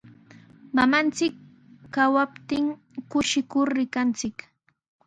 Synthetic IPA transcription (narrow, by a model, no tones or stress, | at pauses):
mamant͡sɪkː | awapt̪ɪŋ | kʊʃɪkʊɾːɪkant͡sɪk